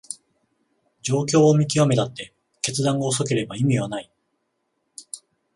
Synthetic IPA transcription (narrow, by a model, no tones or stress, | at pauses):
d͡ʑo̞ːkʲo̞ːomʲik̬ʲiame̞t̪at̪ːe̞ | ke̞t͡sɨd̪ãŋɡaos̬o̞ke̞ɾe̞baimʲiβ̞anai